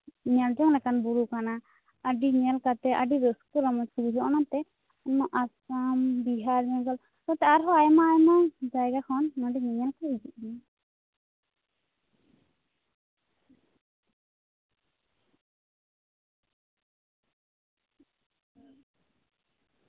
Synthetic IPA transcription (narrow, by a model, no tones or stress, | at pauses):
ɲɛld͡ʒɔŋlɛkanbuɽukana | əɖiɲɛlkat̪ɛʔəɖiɾəskuɾɔmɔd͡ʒkubuɾuɔnat̪ɛ | ɔnːɔʔasambiɦaɾɲɛɡɔl | t̪ɔt̪ɛaɾɦɔajmaːjmad͡ʒajɡakʰɔnːɔɖiɲɛɲɛlkaɦid͡ʒiʔ̚mi